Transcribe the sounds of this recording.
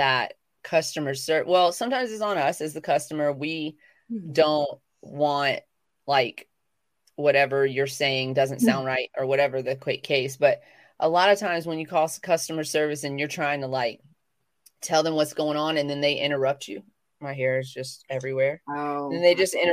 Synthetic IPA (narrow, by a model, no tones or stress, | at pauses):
ðət̚ | kʰʌstɨmə˞sɜ˞wɛlˠsʌ̃mtʰãɪ̃mzɨtsn̩ʌsɨzðɨkʰʌstəmə˞wi | d̥õʊ̃nt | wɑ̃nt | laɪk | wʌɾɛvə˞jə˞seɪɪ̃ŋdʌzɨ̃ntsãʊ̃ndɹaɪɾʔə˞wʌɾɛvə˞ðɨkʰw̥ɪkʰːeɪsb̥ʌɾ | ʔəlɑɾʌv̥tʰãɪ̃mzwə̃njɨkʰɔskʰʌstɨmə̥˞sɜ˞vɨsɨ̃njə˞tʰɹ̥aɪɪ̃ŋtʰəlaɪk̚ | tʰɛlˠðə̃mwʌtsɡ̥oʊɪ̃ŋə̃nɨ̃nðɨ̃nðeɪʔɪ̰̃ɾ̃ə˞ʌp̚t͡ʃʉ | maɪɦɛɹɨzd͡ʒʌstɛvɹiwɛɹðɨ̃nðeɪd͡ʒʌstɪ̃ñ